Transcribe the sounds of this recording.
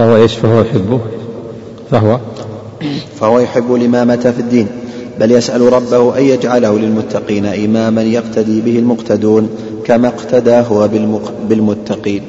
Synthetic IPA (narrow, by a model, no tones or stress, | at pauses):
fahʊwaʔeːʃfahʊwajʊħɪbːʊ | faɦʊwa | fahʊwajʊħɪbːʊlʔɪmaːmat̪afɪd̪ːiːnbaljasʔalɾˤɑbːahʊʔajjad͡ʒʕalahʊlɪlmʊt̪ːɑqiːnaʔɪmaːmanjaqt̪ʰad̪iːbɪhɪlmʊqt̪ʰad̪uːn | kamaqt̪ʰad̪aːɦʊwabɪ | bɪlmʊt̪ːɑqiːn